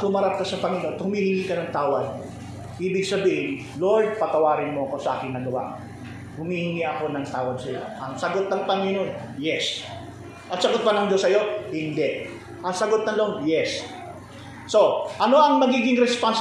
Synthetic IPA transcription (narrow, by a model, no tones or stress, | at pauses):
hʊmɐɾap̚kɐsɐpɐŋɪnot̪hʊmiːhɪŋiːkɐnɐŋt̪aːwɐd̪̚ | ʔiːbɪɡ̚sɐbiːhɪn | lojd̪̚pɐt̪ɐwaːɾɪnmoɐko̞sɐʔa̰ːkɪŋnːɐɡɐwa̰ | hʊmiːhɪŋiʔɐko̞nɐŋt̪aːwɐd̪sɐjo̰ʔɐŋsɐɡot̪̚nɐŋpɐŋinonjɛs | ʔɐt̪sɐɡot̪̚pɐnɐŋd͡ʒo̞sɐjo̞hɪnd̪ɛʔ | ʔɐŋsɐɡot̪̚nɐlonjɛs | o̞ʔɐno̞ʔɐŋmɐɡiːɡɪŋɾɛspans